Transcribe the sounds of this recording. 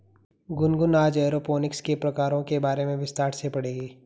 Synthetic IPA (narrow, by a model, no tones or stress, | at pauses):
ɡʊnɡʊnaːd͡ʒɛːɾoːpoːnɪkskepɾɐkaːɾõkebaːɾemẽʋɪst̪aːʈsepɐɽeːɡiː